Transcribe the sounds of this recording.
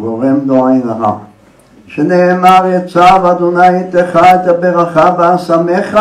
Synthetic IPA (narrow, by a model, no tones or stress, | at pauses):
ɡoʁemloajnaɦa̰ | ʃeneːmaʁjat͡savad̪onajit̪eχaet̪abeʁaχaveasameχa